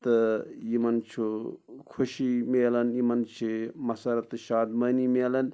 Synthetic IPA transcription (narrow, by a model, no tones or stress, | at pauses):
t̪ɐjimɐnt͡ʃʰukʰuʃimeːlɐnjimɐnt͡ʃʰimɐsɐɾɐt̪ɨʃaːd̪mɐːnimeːlɐn